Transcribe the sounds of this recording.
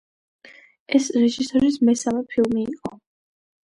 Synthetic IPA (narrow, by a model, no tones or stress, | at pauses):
ɛsɾɛʒisɔɾismɛsamɛpʰilˠmiːqʼɔ